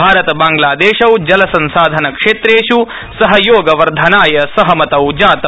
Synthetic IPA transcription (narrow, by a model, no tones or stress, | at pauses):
aːɾɐt̪ɐbaːŋɡlaːd̪eːʃɐwd͡ʒɐlɐsɐnsaːd̪ʱɐnɐkʂeːt̪ɾeːʃu | sɐɦɐjoːɡɐʋɐɾd̪ʱɐnaːjɐsɐɦɐmɐt̪ɐwd͡ʒaːt̪ɐ